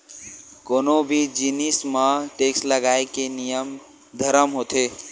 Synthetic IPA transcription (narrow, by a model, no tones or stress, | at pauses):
konobʱid͡ʒinismaʈeksləɡaekenijəm | d̪ʱəɾəmɦot̪e